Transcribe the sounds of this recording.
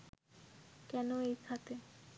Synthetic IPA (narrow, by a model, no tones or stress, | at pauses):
kɛnoejkʰat̪e